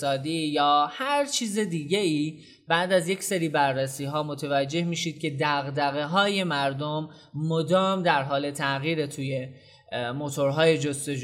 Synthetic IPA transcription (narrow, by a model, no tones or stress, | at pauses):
sɒːd̪iːjɒːhæɾt͡ʃʰiːzed̪iːɟeiː | b̥æʔd̪æzje̞cse̞ɾiːbærːesiːɦɒːmo̞t̪ʰevæd͡ʒːe̞hmiːʃiːd̪̥̚cʰʲe̞d̪æɣd̪æɣe̞ɦɒːje̞mæɾd̪omː | od̪ɒːmd̪æɾɦɒːle̞t̪ʰæʔɣiːɾe̞t̪ʰuːje̞ | mo̞t̪ʰo̞ɾɦɒːje̞d͡ʒost̪o̞d͡ʒ